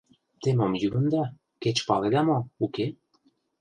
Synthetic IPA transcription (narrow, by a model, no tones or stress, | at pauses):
t̪emomjyβɤ̆nd̪ɑ | ket͡ɕpɑled̪ɑmouke